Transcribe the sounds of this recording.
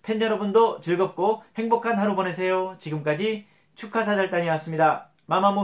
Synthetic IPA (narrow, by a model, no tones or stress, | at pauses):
pʰend͡ʑʌɾʌbundot͡ɕɯɭɡʌp̚k͈ohe̞ŋbokʰanɦaɾobʌne̞sʰe̞jot͡ɕiɡɯmk͈ad͡ʑi | t͡ɕʰukʰas̬ʰad͡ʑaɭt͈aɲiwas͈ɯmɲida | mamamo